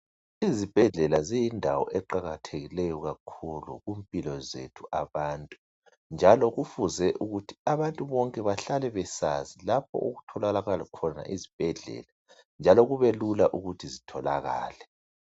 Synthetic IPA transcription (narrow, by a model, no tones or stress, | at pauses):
izib̥ʱɛɮɛlazijindʱawɔ̰ʔɛǃaɣatʰeɣilɛjɔɣakʰulṵɣumpʼilɔzḛtʰuʔaβaːntʼu | nd͡ʒʱalɔɣufuzɛʔuɣutʰi̥aβantʼuβɔŋkʼɛβaɬalɛβɛsazilapʰɔ̰ʔoɣutʰɔlalaɣalɔkʰɔna̰ʔizib̥ʱɛɮɛ̰la | nd͡ʒʱalɔɣuβelulaʔuɣutʰizitʰɔla̰ɣa̰ːlɛ